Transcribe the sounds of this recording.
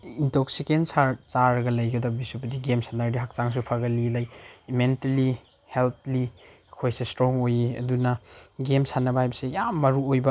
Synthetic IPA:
intɔksikensaɾt͡ʃaɾɡɐlɐjɡɐdɔbisupɐdiɡemsandaɾdiɦak̚t͡ʃaŋs̬upʰaɡɐlilɐjmentɐli | helt̚ʰli | kʰojsestɾoŋojiɐ̰dunɐɡemsanɐbɐhajbɐsejamːɐɾuojbɐ

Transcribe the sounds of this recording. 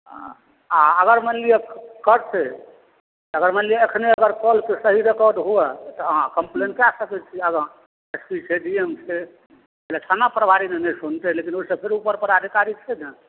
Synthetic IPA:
aəɡəɾmənlijakːəɾt̪e | t̪əɡəɾmənlijaəkʰneəɡəɾkɔlkesəɦiɾekɔɾɖɦuɛt̪ɔɦãkəmplenkasəkɛt͡ʃʰiəɡəɾ | espit͡ʃʰeɖiemse | ɛlet̪ʰanapɾəbʱaɾinenɛsunt̪elekinoisəpʰeɾupəɾpəɾad̪ʱikaɾit͡ʃʰed̪ɛ

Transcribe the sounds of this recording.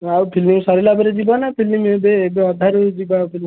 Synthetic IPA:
awpʰilimsɔɾilabɔɾed͡ʒibɔnapʰilimebeːbeɔd̪ʱaɾojd͡ʒibapʰil

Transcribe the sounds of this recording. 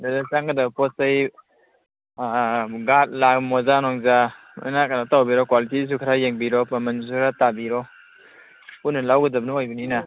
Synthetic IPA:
dadasaŋɡadabpɔsaj | ɡat̚lakmɔzanɔŋza | a̰nakanatawbiɾɔkwalitis̬ukʰɾajeŋbiɾɔpamansukʰɾatabiɾɔ | punɯlawɡɯdap̚nɯɔjbɯnina

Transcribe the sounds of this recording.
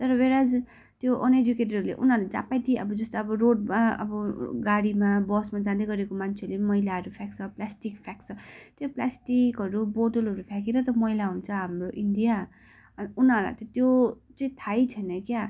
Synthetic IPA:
t̪ʌɾʌbeɾad͡z | t̪joʔʌned͡zukeʈ̬ʌɾɦʌɾulḛʔṵnalad͡za̰pajt̪ʰĩʌbʌd͡zʌst̪oʌbʌroɖmaʌ̰bʌɡaɽimabʌsmad͡zãd̪eɡʌɾekomant͡sʰeʌɾulemʌilaɦʌɾupʰjakt͡sʰʌplasʈikpʰjak̚t͡sʰʌt̪joplasʈikɦʌɾuboʈʌlɦʌɾupʰjak̬eɾʌt̪ʌmʌilaɦunt͡sʰʌɦamroʔiɳɖija | ʌnunala̰jt̪ʌt̪jot͡saĩt̪ʰajt͡sʰʌnʌkja

